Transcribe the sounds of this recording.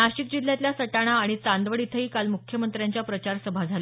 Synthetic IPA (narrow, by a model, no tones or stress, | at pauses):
aɕik̚d͡ʑil̤ːjat̪ljasəʈaɽ̃aːɽ̃it͡sand̪ʋəɽit̪ʰəiːkalmukʰjəmənt̪ɾjaɲt͡ɕjapɾət͡ɕaɾsəbʱad͡zʱale